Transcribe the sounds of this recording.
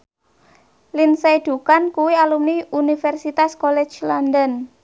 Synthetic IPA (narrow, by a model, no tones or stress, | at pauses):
linsejd̪̥ṳkankuwialumniunifɛrsit̪askolɛ̥d͡ʒlɔnd̪ən